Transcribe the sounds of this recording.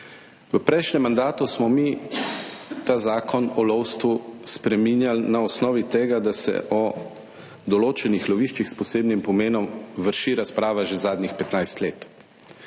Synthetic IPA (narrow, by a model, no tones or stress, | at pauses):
ʋəpɾɛjʃnɛmːand̪aːt̪usmɔmi | t̪aːzaːkɔnɔlɔwst̪ʋuspɾɛminjalnaɔsnɔːʋit̪eːɡad̪asɛ̰ʔɔ | d̪ɔloːt͡ʃɛnixlɔʋiːʃt͡ʃixspɔseːbnimpɔmeːnɔmʋəɾʃiɾaspɾaːʋaʒɛzaːd̪nixpɛt̪najst̪leːt̪